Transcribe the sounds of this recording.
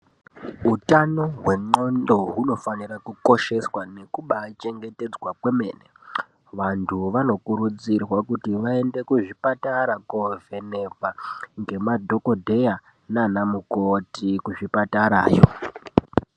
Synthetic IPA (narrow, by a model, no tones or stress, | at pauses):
ɦutano̞ɦwe̞ŋ͡ǃo̞ndo̞ɦuno̞fanirakuko̞ʃe̞swane̞kuɓat͡ʃe̞ŋɡe̞te̞d͡zwakwe̞me̞̰ːne | ʋantʰuʋano̞kuɾud͡zirwakutiʋae̞nde̞kuʐipataɾakove̞ne̞paŋɡe̞madʱo̞kodʱe̞ja | nanamukotikuʐipataɾa̰ːjo̰